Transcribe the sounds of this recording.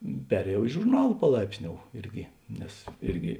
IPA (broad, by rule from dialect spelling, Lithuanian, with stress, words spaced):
ˈpʲæːrʲeːjɛʊ ɪ ʒʊrˈnɐlˠ pɐˈlˠɐɪpʲsʲˌnʲoːʊ ˈɪrʲɡʲɪ ˈnʲɛs ˈɪrʲɡʲɪ